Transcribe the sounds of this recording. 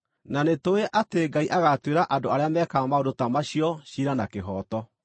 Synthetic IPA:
nanetoeʔateŋɡaiʔaɣatweɾaʔandoaɾeamɛkamaodotamaɕiɔɕiɾanakeɦɔːtɔ

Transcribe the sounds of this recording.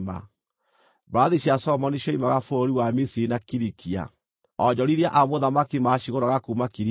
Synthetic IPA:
ma̰ | baːðiɕasɔmɔniɕɔimaɣafoɾiwamisiɾinakiɾikʰia̰ | ɔd͡ʑɔɾiɾiaʔamoðamakimaʃiɣoɾaɣakuːmakiɾi

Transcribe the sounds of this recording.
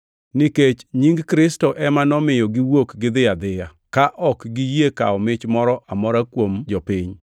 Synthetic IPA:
niket͡ʃɲiŋɡkɾɪstɔʔɛmanɔmɪjɔɡɪwokɡɪd̪ɪad̪ɪja | kaʔɔkɡijeka̰ɔmɪt͡ʃmɔɾɔʔamɔɾakwomd͡ʒɔpɪɲ

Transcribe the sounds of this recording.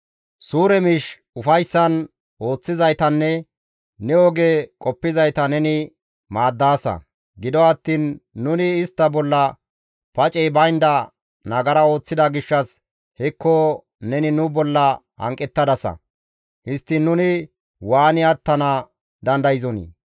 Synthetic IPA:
suːɾɛmɪʃ | ʊfɐjsːɐn | o̞ːt͡sːɪzɐjt̪ɐnːɛ | nɛɔɡekʼɔpːɪzɐjt̪ɐnɛnɪ | maːd̪ːaːsɐ̰ | ɡɪd̪ɔɐt̪ːiːnːʊnɪːst̪ːɐbɔlːɐ | pɐt͡ʃʼɛjbɐjnd̪ɐ | nɐɡɐɾɐo̞ːt͡sːɪd̪ɐɡɪʃːɐs | hɛkːo | nɛnɪnʊbɔlːɐ | hɐ̰ŋkʼːɛt̪ːɐd̪ɐsɐ̰ | hɪst̪ːɪnːʊnɪ | waːnɪɐt̪ːɐnɐ | d̪ɐnd̪ɐjɪzɔnḭ

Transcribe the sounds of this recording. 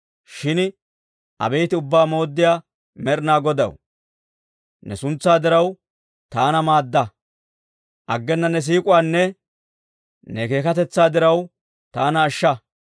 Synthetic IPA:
ʃɪn | ʔɐ̰bɛjt̪ɪʊbːaːmo̞ːd̪ːɪjaː | mɛɾɪnaːɡɔd̪ɐ̰w | nɛ̰sʊnt͡sːaːd̪ɪɾɐw | t̪aːnɐmaːd̪ːɐ | ʔɐɡːɛnːɐnɛs̬iːkʼʊwaːnːɛ | nɛke̞ːkɐt̪ɛt͡sːaːd̪ɪɾɐw | t̪aːnɐːʃːɐ

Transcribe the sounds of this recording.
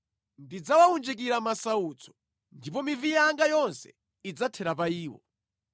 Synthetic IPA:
ndid͡zawaund͡ʒik̬iɾamasauːt͡sʰɔ̥ | ndipɔmivijaŋɡajɔnsɛ̥̰ | id͡zatʰɛɾapaiːwɔ̰

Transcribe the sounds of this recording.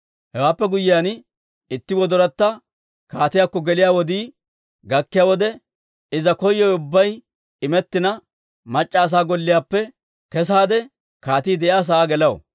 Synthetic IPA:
hɛwaːpːɛɡʊjːɪjan | ɪt̪ːɪwɔd̪ɔɾɐt̪ːɐ | kaːt̪ɪjaːkːɔɡɛlɪjaːwɔd̪iː | ɡɐkːɪjaːwɔd̪ɛ | ɪzɐkɔjːɔjʊbːɐj | ɪmɛt̪ːɪnɐ | mɐt͡ʃʼːaːs̬aːɡɔlːɪjaːpːɛ | kɛs̬aːd̪ɛ | kaːt̪iːd̪ɛʔjaːs̬ɐːɡɛlɐwo̰

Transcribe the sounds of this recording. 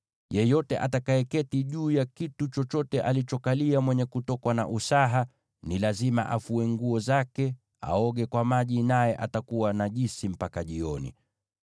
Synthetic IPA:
jɛjɔtɛʔatakaɛkɛtiʄuːjakitut͡ʃɔt͡ʃɔtɛʔalit͡ʃɔkaliamwɛɲɛkutɔkwana̰ʔusaɦa | nilazima̰ʔafuɛŋɡuɔzakɛ | a̰ɔɠɛkwamaʄinajɛʔatakuwanaʄisim̩pakaʄiɔnḭ

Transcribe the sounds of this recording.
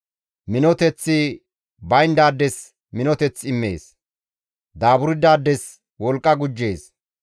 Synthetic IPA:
mɪnɔt̪ɛt͡sːɪ | bɐjnd̪aːd̪ːɛs | mɪnɔt̪ɛt͡sːɪmːe̞̰ːs | d̪aːbʊɾɪd̪aːd̪ːɛs | wɔlkʼːɐɡʊd͡ʒːeːs

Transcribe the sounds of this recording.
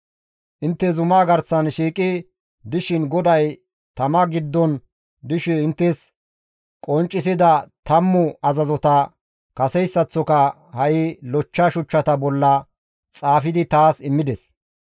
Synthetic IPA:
ʔɪnt̪ːɛzʊmaːɡɐɾsɐnʃiːkʼɪ | d̪ɪʃɪnɡɔd̪ɐj | t̪ɐmɐɡɪd̪ːɔn | d̪ɪʃɛɪnt̪ːɛs | kʼɔnt͡ʃʼːɪs̬ɪd̪ɐt̪ɐmːʊɐzɐzɔt̪ɐ | kɐsɛjsːɐt͡sːɔkɐ | hɐʔɪlɔt͡ʃːɐʃʊt͡ʃːɐt̪ɐbɔlːɐ | t͡sʼaːfɪd̪ɪt̪aːsɪmːɪd̪ɛs

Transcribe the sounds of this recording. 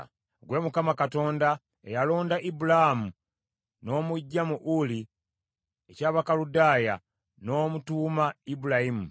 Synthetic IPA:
ɡwe̞mukamakato̞ːnda | ḛjalo̞ːndaʔibulaamu | no̞ːmuɟːamuʔuli | ecaːβakaludaːja | no̞ːmutuːmaibulahimu

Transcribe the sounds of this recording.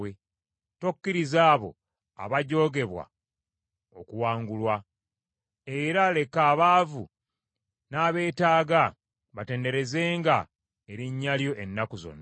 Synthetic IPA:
e | to̞kːiɾizaːβo̞̰ | a̰βaɟo̞ːɡe̞βwa̰ | o̞kuwaːŋɡulwa | e̞ɾale̞kaːβaːvṵ | naːβe̞ːtaːɡa | βate̞ːnde̞ɾe̞ze̞ːŋɡa | eɾiɲːaljo̞ʔenːakuzo̞̰nːa

